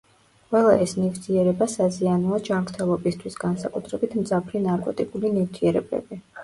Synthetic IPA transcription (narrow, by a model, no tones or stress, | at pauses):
qʼwɛlˠaɛsnivt̪ʰiɛɾɛbasazianuad͡ʒamɾt̪ʰɛlˠɔbist̪ʰwisɡ̥ansakʼut̪ʰɾɛbit̪ʰmd̪zapʰɾinaɾkʼɔt̪ʼikʼulinift̪ʰiɛɾɛbɛ̰bi